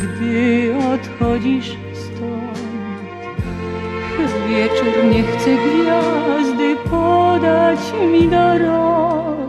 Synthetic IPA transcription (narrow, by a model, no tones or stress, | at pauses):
ɡd̪ɨɔt̪xɔd͡ʑiʂ | st̪ɔ | ʂɛzvʲjɛt͡ʂuɾɲɛxt̪sɛɡɾʲɔzd̪ɘpʰɔd̪at͡ɕmʲid̪ɔɾɔ